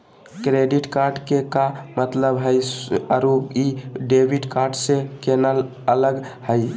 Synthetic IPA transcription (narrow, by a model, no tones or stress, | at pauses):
kɾeɖiʈkaɾɖkekamət̪ləbɦəjəɾuiɖebʱiʈkaɾɖsekenəl | ələɡhəj